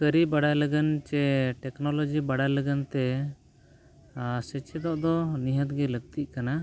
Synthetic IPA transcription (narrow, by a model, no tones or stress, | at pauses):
kəɾibaɽajləɡənt͡ʃɛʈɛknɔlɔd͡ʒibaɽaləɡənt̪ɛ | sɛt͡ʃɛd̪ɔʔd̪ɔniɦət̪ɡɛləɡ̚t̪iʔ̚kana